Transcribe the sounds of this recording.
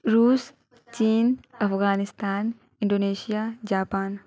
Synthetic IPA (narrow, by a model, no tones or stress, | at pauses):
ɾuːs | t͡ʃiːnɐfɣaːnɪst̪aːn | ɪnɖoːneːʃijaːd͡ʒaːpaːn